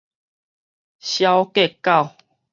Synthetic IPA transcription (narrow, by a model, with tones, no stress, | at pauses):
ɕja˦ʊwke˥˨ka˥˨ʊ